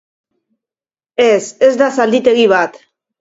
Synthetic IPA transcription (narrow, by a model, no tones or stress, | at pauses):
e̞se̞zd̪asald̪it̪e̞ɣiβ̞at̪